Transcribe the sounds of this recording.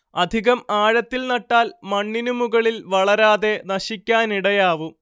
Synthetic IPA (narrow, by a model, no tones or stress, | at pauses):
ɐd̪ʱiɣɐmaːɻɐt̪ːilnɐʈːaːlmɐɳːinumuɣɐɭilʋɐɭɐɾaːðe̞nɐɕikʲːaːniɽɐjaːʋu